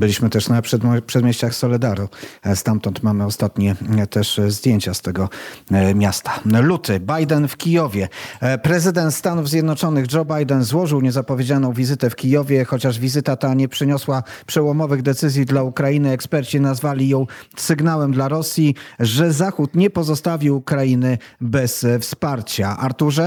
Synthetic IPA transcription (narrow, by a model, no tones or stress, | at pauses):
bɘlʲiɕmɘt̪ɛʂnaʂpʂɛd̪mjeɕt͡ɕaxsɔlɛd̪aɾɔst̪amt̪ɔnt̪mamɘɔst̪at̪ɲɛt̪ɛʂzd̪ʲjeɲt͡ɕast̪ɛɡɔmʲjast̪ḁlut̪ɘbajd̪ɛnfkʲijɔvʲjɛpɾɛzɘd̪ɛnt̪st̪anuvzʲjɛd̪nɔt͡ʂɔnɘɣd͡ʐɔbajd̪ɛnzwɔʐɘwɲɛzapɔvʲjed͡ʑalnɔ̃w̃vʲizɘt̪ɛfkʲijɔvʲjɛxɔt͡ɕaʐvʲizɘt̪at̪aɲɛpʂɘɲɔswapʂɛwɔmɔvɘɣd̪ɛt̪sɘzʲjid̪laukɾajinɘɛkspɛɾt͡ɕinazvalʲijɔ̃w̃sɘɡnawɛmd̪laɾɔsʲjiʐɛzaxut̪ɲɛpɔzɔst̪avʲikɾainɘbɛsfspaɾt͡ɕaʔaɾt̪uʐɛ